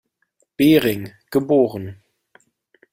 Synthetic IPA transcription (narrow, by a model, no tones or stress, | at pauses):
b̥eːʁɪŋɡ̥əboːʁən